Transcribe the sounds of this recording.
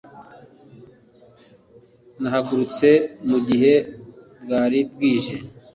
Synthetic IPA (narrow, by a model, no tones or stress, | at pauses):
naɦaɡuɾut͡se̞muɟiɦe̞ | bɡaːɾibɡiːʒe̞